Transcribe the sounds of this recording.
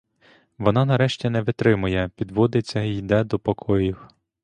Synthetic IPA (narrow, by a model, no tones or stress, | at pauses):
ʋɔnɑnɐɾɛʃtʲinɛʋɪt̪ɾɪmʊjɛpʲid̪ʋɔd̪ɪt͡sʲːɐijd̪ɛd̪ɔpɔkʰɔjiw